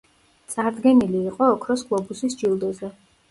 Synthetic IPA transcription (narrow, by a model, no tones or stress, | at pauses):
t̪sʼaɾd̪ɡɛniliːqʼɔːkʰɾɔsɡ̥lˠɔbusisd͡ʒilˠd̪ɔzɛ